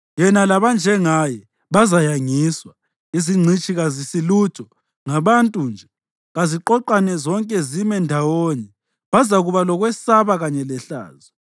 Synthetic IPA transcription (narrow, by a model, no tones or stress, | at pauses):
jɛnalaβand͡ʒʱɛŋajɛ | βazajaŋiswa | iziŋ͡ǀʱit͡ʃʼʰiɣazisilutʰʼɔ | ŋaβantʼund͡ʒʱɛ | ɣaziǃɔǃanɛzɔŋkʼɛzimɛndʱawoɲɛ | βazaɣuβalɔɣwɛsaβaɣaɲɛlɛɬa̰ːzɔ